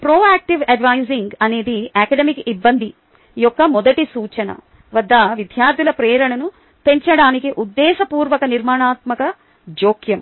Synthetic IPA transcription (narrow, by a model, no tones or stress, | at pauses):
pɾoːaːk̚ʈiʋɐɖʋajziŋɡɐne̞ːd̪iakɐɖɐmikibːɐnd̪ʱi | jɔkːɐmɔd̪ɐʈisuːt͡ʃɐnɐ̰ | ʋɐd̪ːɐʋid̪ʱjaːɾt̪ʰilɐpɾɛːɾɐɳɐnu | pe̞ɲt͡ʃɐɽaːnikiʔud̪ːɛːʃɐpuːɾʋɐkɐniɾmaːɳaːt̪mɐkɐ | d͡ʒoːkjɐm